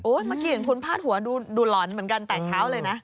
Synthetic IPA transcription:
ʔoː˨˦˥jma˦˥ki˧˩e˨˦nkʰu˧npʰaː˥˩t̪̚hu˩˦ɐduː˧duː˧lɔː˩˦nmɯ˩˦ənka˧nt̪ɛː˨˩t͡ɕʰaː˦˥wlɤː˧jna˦˥ʔ

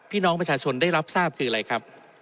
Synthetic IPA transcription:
pʰiː˥˩nɔː˦˥ŋpɾa˧t͡ɕʰaː˧t͡ɕʰo˧nda˥˩jɾa˦˥p̚saː˥˩p̚kʰɯː˧a˧ɾa˧jkʰɾa˦˥p̚

